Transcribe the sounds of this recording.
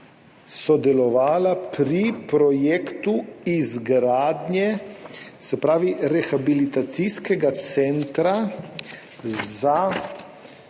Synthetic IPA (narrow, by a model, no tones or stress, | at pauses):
sɔd̪ɛlɔʋaːlapɾipɾɔjeːkt̪uizɡɾaːd̪njɛ | sɛpɾaːʋiɾɛxabilit̪at̪siskɛɡat̪sɛnt̪ɾa | za